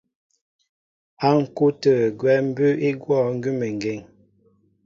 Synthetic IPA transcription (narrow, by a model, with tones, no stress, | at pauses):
a˦ŋ̩˨ku˦tə˨ɡwɛ˦m̩˦bʉ˦e˦ɡwɔ˦˨ŋ̩˦ɡʉ˦me˨ŋ̩˨ɡe˨ŋ